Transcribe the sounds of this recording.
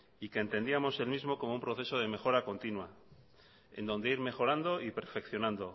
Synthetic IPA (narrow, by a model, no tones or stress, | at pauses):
ike̞ːnt̪e̞nd̪iamo̞se̞lmizmo̞ko̞moumpɾo̞θe̞so̞ð̞e̞me̞xo̞ɾako̞nt̪inwa | e̞̰nd̪o̞nd̪e̞iɾme̞xo̞ɾand̪o̞ipe̞ɾfe̞kθjo̞nãnd̪o̞